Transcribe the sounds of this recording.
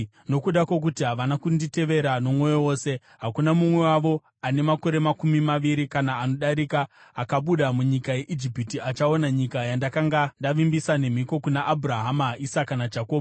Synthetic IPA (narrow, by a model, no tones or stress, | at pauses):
no̞kuɗakwok̬utiɦaʋanakundite̞ʋe̞ɾano̞mwo̞jowo̞ːse̞ | ɦakunamumwe̞waʋo̞ | ane̞mako̞ɾe̞makumimaʋiɾikanaːno̞ɗaɾikaːkaɓuɗamuɲikaje̞ʔid͡ʒipitiat͡ʃao̞naɲikajandakaŋɡandaʋimbisane̞m̤iko̞kunaʔːbuɾaɦamaisakanad͡ʒako̞ːb